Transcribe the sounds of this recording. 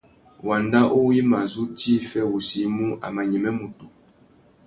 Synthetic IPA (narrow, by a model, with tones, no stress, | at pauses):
wa˨nda˦ʔo˦wi˦ma˨zu˦ti˦fɛ˦wu˨si˨˦mu˦ʔa̰˨ma˨ɲɛ˨mɛ˦mu˨to˨